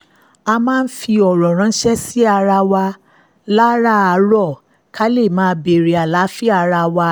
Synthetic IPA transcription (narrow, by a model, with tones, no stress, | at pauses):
a˧mãː˦˧n̩˦fi˧ɔ˨ɾɔ̃˨ɾ̃ã˨˧˦ʃɛ˦si˦a˧ɾa˧wa˧ | la˦ɾa˦a˨˦ɾɔ˦˨ | kʰa˦le˦˨mãː˦˧˦be˨ɾi˨˦a˨la˨˦fi˦a˧ɾa˧wa˧